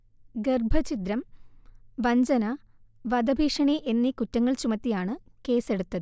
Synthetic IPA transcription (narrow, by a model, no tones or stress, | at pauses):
ɡerbʱɐt͡ɕit̪ɾɐm | ʋɐɲd͡ʑɐnɐ | ʋɐd̪ɐbʱiːʂɐɳiʔe̞nːikutːɐŋːɐɭt͡ɕumɐt̪ːijaːɳɨke̞ːse̞ɽut̪ːɐðɨ